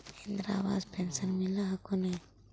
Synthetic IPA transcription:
end̪ɾa̰ːba̰ːd̪pʰensɐɾmilɐɦakune

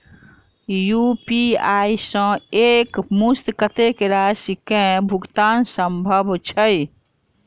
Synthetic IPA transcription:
jupiajsə̃ekmust̪kət̪ekeɾasikẽbʱuɡt̪ansəmbʱəbʱt͡ʃʰəj

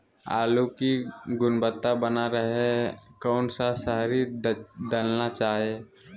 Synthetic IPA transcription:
a̰ːlukiɡʊnbət̪ːabənaɾəɦekɔːnsasəɦɾid̪əlnat͡ʃaːɦe

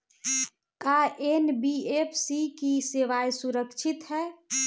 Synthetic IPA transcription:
kaʔenbiepʰsikiseʋajsuɾəkt͡ʃʰit̪ɦɛː

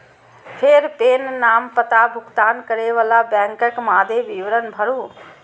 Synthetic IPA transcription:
pʰeɾpeːnːaːmpət̪abʱʊɡt̪aːnkəɾeːʋəlaːbɛ̃ːŋkəkmãːd̪eːʋiːʋɾənbʱəɾũː

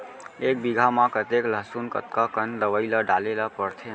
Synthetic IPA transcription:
ek̚biɡʱamãkət̪ekləɦsunkə̰t̪kakənləʋəiləɖalelapəɾt̪ʰe

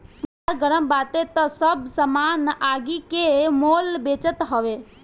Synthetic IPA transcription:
saɾɡəɾəmbaːt̪et̪əsəbsəmaːnaːɡikemoːlbeːt͡ʃət̪ɦɔʋeː

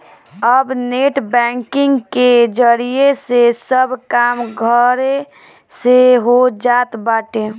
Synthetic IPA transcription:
əbneʈʰbɛ̃ːŋkɪŋɡked͡ʒəɾijesesəbkaːmɡʱəɾ | seɦod͡ʒaːt̪baːʈe

